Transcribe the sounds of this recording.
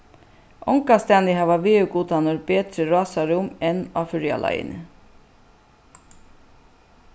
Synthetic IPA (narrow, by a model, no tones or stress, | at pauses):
ʔɔŋkast̪æːnɪɦaʋaʋeːœɡuːt̪anɔɾbeːt̪ɾəɾɑːsaɾʊmɛna̰fʏɾja̰lʔa̰jɪ̰nə̰